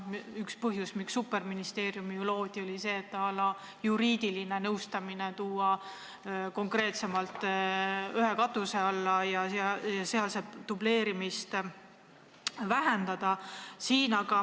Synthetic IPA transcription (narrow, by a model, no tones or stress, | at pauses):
ykspɤɦjusmiksːupːe̞rminist̪e̞ːɾjumijulo̞ːd̪̥ʲio̞lʲise̞ːt̪ːɑɑlːɑ | juɾiːd̪̥iline̞nɤwst̪ɑmine̞t̪uːɑ | ko̞ŋkre̞ːt̪se̞mɑlt̪ːˑ | yɦe̞kɑt̪ːˑuse̞ɑlːɑjɑɑjɑseɑlsed̪̥uble̞ːɾimist̪ | væɦe̞nd̪ɑd̪̥ɑsiːnɑɡ̥ɑ